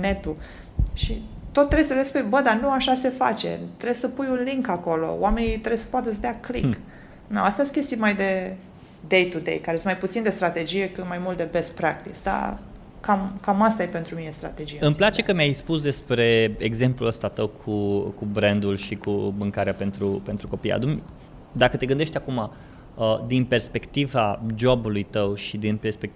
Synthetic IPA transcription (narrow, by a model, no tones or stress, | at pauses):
ne̞t̪u | ʃit̪o̞t̪ːɾe̞səlespujbəd̪anuaʃase̞fa̰t͡ʃe̞̰t̪ɾesəpujunliŋkako̞lo̞̰wame̞nit̪ɾebsə̥poat̪əsd̪eaklik | naast̪ajest̪kʲe̞st̪ijemajd̪e̞ | d̪e̞jt̪ud̪e̞̰jkaɾesunmajput̪sind̪e̞st̪ɾat̪e̞d͡ʒije̞kɨt̪majmult̪̚d̪e̞be̞st̪pɾak̚t̪isd̪a̰ | kamkamast̪ajepe̞nt̪ɾuminest̪ɾa̰t̪e̞d͡ʒijeɨmplat͡ʃe̞kəmjajspusd̪e̞spɾe̞eɡze̞mpluəst̪at̪əwkʰukubɾend̪ulʃikumɨŋkaɾeape̞nt̪ɾupe̞nt̪ɾuko̞pija̰t̪umʲ | d̪akət̪e̞ɡɨnd̪e̞ʃt̪ʲakuma | əd̪inpe̞rspe̞kt̪ivad͡ʒo̞bulujt̪əwʃid̪inperspek̪̚